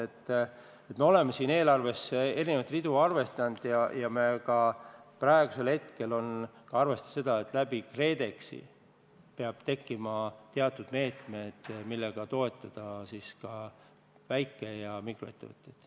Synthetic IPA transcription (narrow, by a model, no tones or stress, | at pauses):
et̪ː | et̪me̞o̞le̞mːesiːne̞ːlɑrve̞se̞ɾinevɑt̪ːrid̪uɑrve̞st̪ɑnd̪̥jɑjɑme̞kɑpræeɡ̥use̞lhe̞t̪ke̞lo̞nkɑɑrve̞st̪ɑ̥se̞d̪̥ɑe̞t̪ːˑlæbikre̞ːd̪e̞ksḭ | peɑb̥̚t̪e̞kːimɑt̪eɑt̪ːˑud̪̥me̞ːt̪me̞d̪̥milːe̞ɡ̥ɑt̪o̞e̞t̪ˑːɑd̪̥ɑsiskɑ | væjkːˑejɑmikroe̞t̪ːe̞vɤ̰t̪ːˑjed̪̥